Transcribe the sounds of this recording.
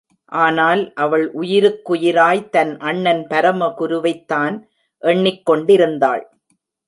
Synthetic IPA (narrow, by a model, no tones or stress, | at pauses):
ʔaːnaːlʔɐʋɐɭʔʊjɪɾɯkːʊjɪɾaːjt̪ɐnʔɐɳːɐnpɐɾɐmɐkʊɾʊʋɐɪt̪ːaːn | ʔɛɳːɪkːɔɳɖɪɾɯnd̪a̰ːɭ